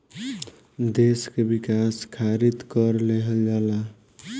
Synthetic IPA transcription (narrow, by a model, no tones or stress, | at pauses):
d̪eskebikaskʰaɾit̪kʌɾleɦəld͡ʒala